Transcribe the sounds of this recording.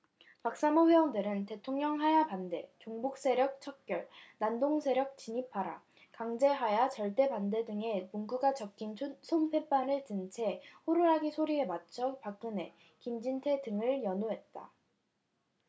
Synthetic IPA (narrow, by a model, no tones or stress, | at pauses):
pak̚s͈amoɸweʌndɯɾɯnte̞tʰoŋɲʌŋɦajapande̞t͡ɕoŋbuk̚s͈e̞ɾjʌk̚t͡ɕʰʌk̚k͈jʌɭnandoŋsʰe̞ɾjʌk̚t͡ɕiɲipʰaɾa̰ | kaŋd͡ʑe̞ɦajat͡ɕʌɭt͈e̞pande̞dɯŋe̞muŋɡuɡat͡ɕʌk͈ʰːinʰsʰompʰe̞p͈anɯɭtɯnt͡ɕʰe̞hoɾɯɾaɡisʰoɾie̞mat͡ɕʰʌpak̚k͈ɯne̞ | kimd͡ʑintʰe̞dɯŋɯɭjʌnoɦe̞t̚t͈a̰